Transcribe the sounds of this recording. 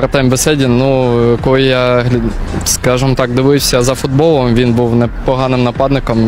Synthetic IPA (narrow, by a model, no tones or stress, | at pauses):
ɾt̪ɛmʲbɛsɛdʲinujɐkɔlˠjjaɦʲskɑʒɨmɔt̪ɑkd̪ɪʋɪwʲsʲɐzɐfʊd̪bɔlˠɔmʋʲinbuwnɛpɔɦɑnɪmnɐpɑd̪nɪkɔm